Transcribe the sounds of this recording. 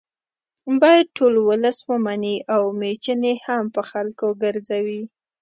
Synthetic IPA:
bɑjad̪̚ʈolwʊləswəmaniʔawmet͡ʃənehampəxalkoɡəɾzawi

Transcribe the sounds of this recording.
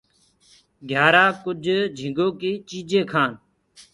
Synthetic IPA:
ɡʱjaːɾaːkʊd͡ʒʱd͡ʒʱɪ̃ŋɡoːkiːt͡ʃiːd͡ʒẽːkʰãːn

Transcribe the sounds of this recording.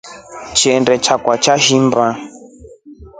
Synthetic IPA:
t͡ʃiɛndɛt͡ʃakwat͡ʃaʒimba

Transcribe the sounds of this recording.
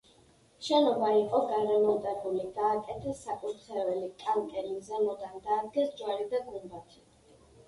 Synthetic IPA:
ʃɛnɔbaiqʼɔɡaɾɛmɔd̪aɾuliɡaːkʼɛt̪ʰɛsakʼut̪ʰχɛvɛlikʼank̪ʼɛlizɛlɔd̪and̪aːd̪ɡɛsd͡ʒwaɾid̪aɡumbat̪ʰi̥

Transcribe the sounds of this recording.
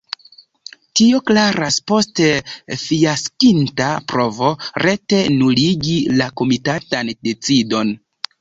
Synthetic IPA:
tio̞klaɾaspo̞stefijaskintapɾo̞vo̞ɾe̞te̞nuliɡilako̞mitatande̞t͡sido̞n

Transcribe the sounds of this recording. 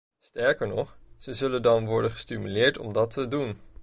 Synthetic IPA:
stɛɹkəɹnɔχz̥əzɵləndɑnʋɔɹdəχəstimylɪːɹtɔ̰mdɑtʰədun

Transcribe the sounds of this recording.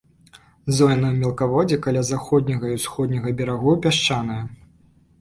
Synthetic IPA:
zɔjnɐwmʲɛlˠkavɔd͡zʲikalʲazaxɔd̪̚ʲnʲɐɣɐiwsxɔd̪nʲɐɣɐbʲɛɾaɣɔpʲaʂt͡ʂanɐjɐ

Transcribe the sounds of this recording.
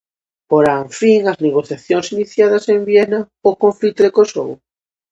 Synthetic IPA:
poɾaɱfiŋɐzneɣ̞oθjaθjoŋsiniθjaðɐsembjɛnɐ | okõɱflit̪oðekosow

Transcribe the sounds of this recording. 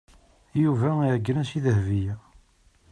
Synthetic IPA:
juvæiʕəɡːɾæsiðəhvijæ

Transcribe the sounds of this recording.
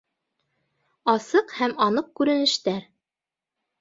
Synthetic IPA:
ɑsɤqhæmɑnɤq̚kʉɾɘ̆nɘ̆ʃt̪æɾ

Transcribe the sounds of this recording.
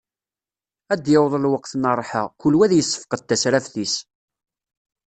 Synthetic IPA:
æd̪jəwðˤəlwəqθnərˤːħə̰ʁkʊlwæðjəsːə̥fqət̪ːæsɾæfθis

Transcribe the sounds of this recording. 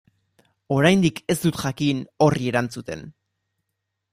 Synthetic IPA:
o̞ɾajnd̪ike̞st̪ut̪ʝakino̞rie̞ɾant͡sut̪e̞̰n

